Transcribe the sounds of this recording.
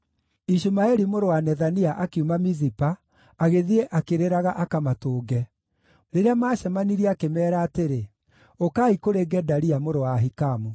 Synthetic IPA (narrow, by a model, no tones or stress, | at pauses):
iʃumaɛɾimoɾowanɛðaniaʔakeumamizipaː | ɣeðieʔakeɾeɾaɣaʔakamatoːɡɛ | ɾeɾeamaɕɛmaniɾiakemɛːɾaːteɾe | okaːikoɾeɡɛdaɾiamoɾowaɦikamu